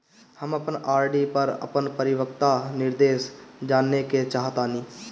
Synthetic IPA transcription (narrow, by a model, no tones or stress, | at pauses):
həməpnaːɾɖipəɾə̰pənpəɾɪwək̚t̪anɪɾd̪eːʃd͡ʒaːnːeket͡ʃaːɦət̪aːniː